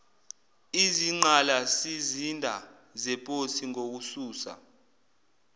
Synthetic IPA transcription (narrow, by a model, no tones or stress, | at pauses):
iziŋ͡ǃalasizindʱa | zɛpʼosiŋok̬usuːsa̰